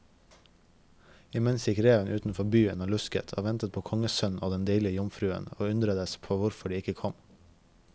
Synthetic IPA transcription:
ɪmɛnsjɪkɾeːənʔʉːt̪n̩fɔbyːənoːlʉskə̰t̪ʰo̰ːʋɛnt̪ət̪̚pʰoːkʰɔŋəsœnn̩oːd̪ɛnd̪eɪlɪəjʊmfɾʉːə̰noːʉnd̪ɾəd̪əspʰoːʋʊɾfɔɖiːɪkəkʰɔm

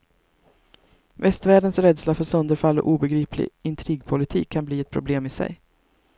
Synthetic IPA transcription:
vɛst̪væːɖənsɾɛːd̪slafœɾsœnd̪əɾfalːɔ̰ʔuːbɛɡɾiːpʰlɪ̰ɪnt̪ʰɾiːɡpʰʊlɪt̪ʰiːkʰːanbliːɛt̪̚pʰɾʊbleːmɪsɛ̰j

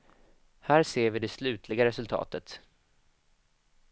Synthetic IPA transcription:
hæːɾseːɾvɪd̪ɛslʉ̟ːt̪ʰlɪɡaɾɛsɵlt̪ʰɑ̰ːt̪ət̪

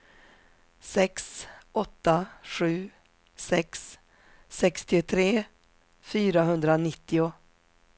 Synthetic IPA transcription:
sɛksɔt̪ːaɧʉ̟ː | sɛksː | ɛkst̪ɪʊt̪ʰɾeː | fyːɾaɦɵnd̪ɾanɪt̪ːɪʊ

